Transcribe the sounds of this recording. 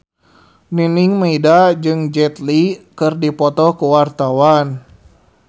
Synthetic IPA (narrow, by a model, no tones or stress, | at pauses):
niniŋmaidad͡ʒɨŋd͡ʒɛt̪likɨrdipɔt̪ɔkuwart̪awan